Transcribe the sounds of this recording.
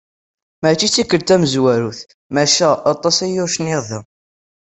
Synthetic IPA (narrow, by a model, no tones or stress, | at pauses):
mæt͡ʃːit͡sːikːəlt̪æməzwæɾuθ | mæʃæɑt̪ˤɑsæjʊɾʃənɪʁðə